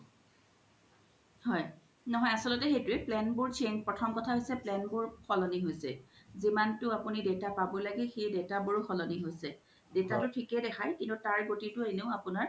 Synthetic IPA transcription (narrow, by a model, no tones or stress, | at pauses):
hɔj | nɔɦɔjasɔlɔtɛxejtʊɛplɛnbʊɹt͡ʃʰeŋpɹɔtʰɔmkɔtʰaɦojsɛplɛnbʊɹxʰɔlɔniɦojsɛzimantʊapunidewtapabɔlaɡɛxejdewtabuɹxʰɔlɔniɦojsɛ | detatʊtʰikɛdɛxʰajkintutaɹɡotitʊeneʊapʊnaɹ